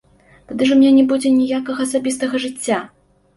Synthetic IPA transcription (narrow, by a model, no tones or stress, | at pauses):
t̪ad̪ɨʐɐmʲnʲɛnʲɛbud͡zʲɛnʲijakɐɣɐɐsabʲis̬t̪ɐɣɐʐɨt͡sʲːa